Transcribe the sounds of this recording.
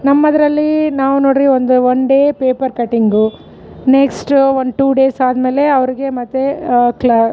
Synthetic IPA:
nɐmːɐd̪ɐɾɐlːinaːʋuno̞ːɽɾiʋond̪uoɳɖeːpeːpɐɾkɐʈːiŋɡu | neksʈond̪ʈuːɖe̞ːsaːd̪me̞ːle̞ɐʋɐɾiɡe̞mɐt̪ːekl

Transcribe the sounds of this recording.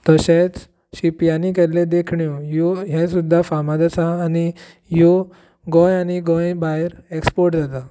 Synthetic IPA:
t̪əɕet͡s | ɕipjanikɛɾlẽd̪ekʰɳjojoɦɛ̃sud̪ʱːafamad̪at͡saːni | jo | ɡɔ̃janiɡɔ̃jbajɾekspoɾʈd͡zʱat̪a

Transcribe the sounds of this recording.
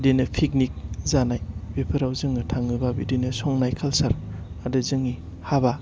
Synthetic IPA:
denɯpʰik̚nik̚zanajbepʰɯɾawzɯŋɯtʰaŋɯbabidenɯsɔŋnajkʰalsaɾ | adɯzɯŋi | haba

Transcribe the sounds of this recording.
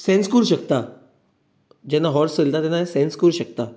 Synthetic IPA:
sẽnskuɾʃək̚t̪a | d͡ʒɛnaɦɔːɾsəld̪ad̪enasẽːnskuɾʃək̚t̪a

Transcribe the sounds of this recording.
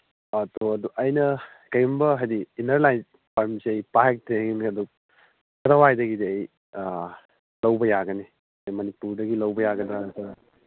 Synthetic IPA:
atoɐduʔɐjnɐ | kɐjumbɐɦajdiːnɐɾlajz | pʰaɾmseɐjpaɦek̚tɾeŋinɐdu | kɐɾɐwajdɐɡidɐj | lɐwbɐjaɡɐni | ɐjmɐnipuɾdɐɡilɐwbɐjaɡɐdɾaɐtɐ

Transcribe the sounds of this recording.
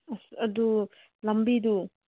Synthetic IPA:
ɐsɐdu | lɐmbidu

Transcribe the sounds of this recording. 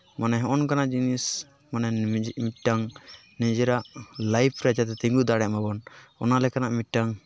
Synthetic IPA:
manɛɦɔ̃ʔɔnkanaʔd͡ʒinis | manɛd͡ʒmit̚ʈaŋ | nɛd͡ʒɛɾaʔlajpʰɾɛd͡ʒat̪ɛt̪iŋɡud̪aɽɛʔmabɔnɔnalɛkanaʔmiʈaŋ

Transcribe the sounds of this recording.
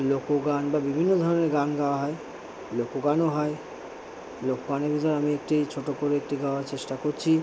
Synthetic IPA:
lokoɡanbabibʱinːod̪ʱɔɾoneɾɡanɡaoaɦɔe | lokoɡanoɦɔe | lokoɡaneɾbʱit̪ɔɾeamiek̚ʈit͡ɕʰoʈokoɾeek̚ʈiɡaoaɾt͡ɕeʃʈakoɾt͡ɕʰi

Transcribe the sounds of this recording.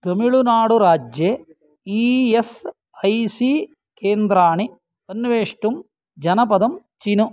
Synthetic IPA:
t̪ɐmiɭunaːɽuɾaːd͡ʒjeː | iːes | ɐjsiː | keːnd̪ɾaːɳi | ɐnːʋeːʂʈum | d͡ʒɐnɐpɐd̪ɐmt͡ʃinu

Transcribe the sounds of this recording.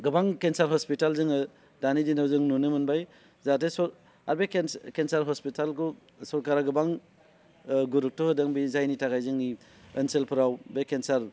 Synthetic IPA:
ɡɯbaŋkensaɾɦɔspitalzɯŋɯ | danidinawzɯŋnunɯmɯnbaj | zatesɔ | a̰ɾbekkensaɾɦɔspitalku | sɔɾkaɾaɡɯbaŋ | ɡuɾuk̚tɔhɯdaŋbizajnitaɡajzɯŋi | ənselpʰɯɾawbekːensaɾ

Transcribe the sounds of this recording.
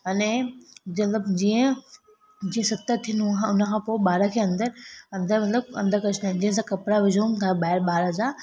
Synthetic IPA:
ɐnemɐt̪ləbd͡ʑiːə̃ | d͡ʑĩːə̃sɐt̪ət̪ʰːinuaːɦʊnə̆kʰãːpoːɪɓaːɾəkʰeːɐ̃nd̪əɾɐ̃nd̪əɾmɐt̪ləb̚ɐ̃nd̪əɾkɐt͡ɕʰnd̪aːnd͡ʑĩːə̃s̬ãkɐpɾaʋɪd͡ʑʱoumt̪ʰaːbaːɪɾɓaːɾəd͡ʑaː

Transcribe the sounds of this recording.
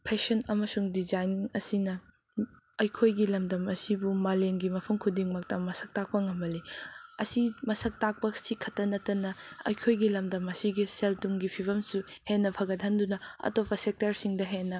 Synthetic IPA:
pʰesɐnɐmɐsuŋdizajniŋɐsinɐ | ɐjkʰojɡilɐmdɐmɐsibumaleŋɡimɐpʰuŋkʰudiŋmɐk̚tɐmɐsɐk̚tak̚pɐŋɐmbɐliɐ̰simɐsɐk̚tak̚pɐsikʰɐtːɐnɐtːɐnɐɐ̰jkʰojɡilɐmdɐmɐsiɡiseltuŋɡipʰibɐmsu | henːɐpʰɐɡɐdʰʱɐndunɐɐ̰topɐsek̚tɐɾsiŋdɐɦenːɐ

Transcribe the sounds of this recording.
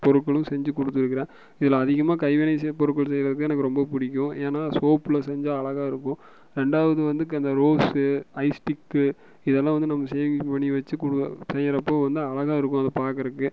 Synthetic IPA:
pɔɾɯkːɐɭɯ̃sɛɲd͡ʒɯkɔɽɯt̪ːɯɾɯkːɪɾẽː | ɪðɪlɐːðɪɣɐmaːkɐɪʋɪnɐɪspɔɾɯʈkːɐɭs̬ɛjɪɾɐðɯkːɯɛnɐkːɯɾɔmbɐpʊɽɪkʲːʊ̃eːnaːsoːpɪlɐsɛɲd͡ʒaːɐɭɐɣaːɪɾɯkːʊ̃ | ɾɛɳɖaːʋɐðɯʋɐnd̪ɯkːɐnd̪ɐɾoːsɯɐɪsʈɪkːɯ | ɪðɛlːãːʋɐnd̪ɯnɐmːɐsɛjpɐɳːiʋɐt͡ʃːɯkʊɽɯsɛjɐɾɐpːoːʋɐnd̪ɯɐɭɐɣaːɪɾɯkːʊ̃ɐðɐpaːɾkɐɾɯkːɯ

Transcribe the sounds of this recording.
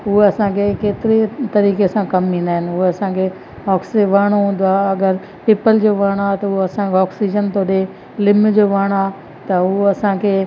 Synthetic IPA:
ɦueɐsãkʰekeːt̪ɪɾet̪ɐɾiːkesãkɐmĩːnd̪aːɦɪnɪ̆ɦueɐsãːkʰe | ɔːksʋɐːɽ̃oɦũːn̆d̪oaːɐɡəɾ | pɪːpəld͡ʑoːʋɐːɽ̃aːt̪ɐuɐsãkʰeɔːksid͡ʑənt̪oːɗe | lɪmd͡ʑoːʋɐɽ̃aː | t̪ɐuɐsãkʰeː

